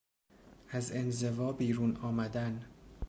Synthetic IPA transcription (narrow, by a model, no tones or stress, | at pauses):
ʔæze̞nze̞vɒːbiːɾuːnɒːmæd̪æn